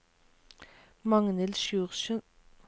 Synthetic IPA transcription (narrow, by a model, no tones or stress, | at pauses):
mɑŋnəlʃjʉːʁʃœn